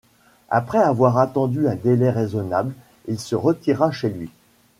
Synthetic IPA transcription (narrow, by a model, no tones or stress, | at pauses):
a̰pχɛavwaʁat̪ɑ̃d̪yɛ̃d̪elɛʁezɔnabl | ilsəʁət̪iʁaʃelɥi